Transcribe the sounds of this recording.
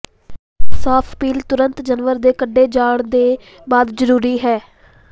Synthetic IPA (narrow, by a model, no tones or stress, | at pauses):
saːpʰpiːlt̪ʊɾənt̪d͡ʒənʋəɾd̪eːkəɖːeːd͡ʒaːɽd̪eː | baːd̪zəɾuːɾiːɦɛː